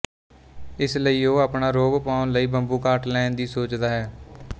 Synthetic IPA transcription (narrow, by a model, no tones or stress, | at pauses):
ɪsləiːoːaːpɳaːɾoːɡpaːʊnləiːbəmbuːkaːʈlɛːnd̪iːsoːt͡ʃd̪aːɦɛː